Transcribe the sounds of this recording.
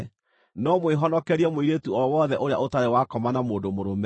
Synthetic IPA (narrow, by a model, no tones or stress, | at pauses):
nɔmweɦɔnɔkɛɾiɛmwiɾetuɔwɔðɛʔoɾea̰ʔotaɾewakɔmanamoːdomoɾom